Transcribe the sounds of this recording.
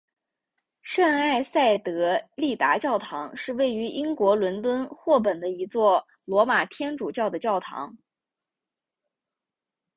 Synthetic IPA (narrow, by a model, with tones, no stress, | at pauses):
ʂə˥˧ŋa˥˧ɪsa˥˩ɪt̪ɤ˧˥li˥˩t̪a˧˥t͡ɕjɑ˥˩ʊt̪ʰɑ˧˥ŋʂɻ̩˥˧we˥˩ɪy˧˥ʔi˥ŋkwɔ˧˥lwə˧˥nt̪wə˥nxwɔ˥˩p̬ə˨˩nd̪ə˦i˧˥t͡swɔ˥˩ | lwɔ˧˥ma˨˩t̪ʰjɛ˥nʈ͡ʂu˨˩t͡ɕjɑ˥˩ʊd̪ə˩t͡ɕjɑ˥˩ʊt̪ʰɑ̰˧˥ŋ